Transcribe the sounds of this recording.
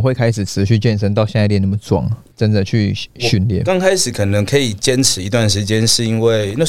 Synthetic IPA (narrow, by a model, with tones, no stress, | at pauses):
xwe˥˩ɪkʰa˥ɪʂɻ̩˨˩ʈ͡ʂʰɻ̩˧˥ɕy˥˧t͡ɕjɛ˥˧nʂə˥ŋt̪̬ɑ˥˧ʊɕjɛ˥˧˥t̪jɛ˥˩nə˥˩mə˦˩t͡swɑ̰˨˩˦ŋ | ʈ͡ʂə˦nd̪ə˨t͡ɕʰy˥˩ɕy˥˧nljɛ̰˥˩˨nkɑ˥˦ŋkʰa˥ɪʂɻ̩˨˩˦kʰɤ˨˩nɤ˧˦ŋkʰɤ˧˥i˨˩t͡ɕjɛ˦˥nʈ͡ʂʰɻ̩˨˧˥i˧˥t̪wa˥˩nʂɻ̩˧˥t͡ɕjɛ˦˥nʂɻ̩˥˩i˦˥nwe˥˩ɪna˥˨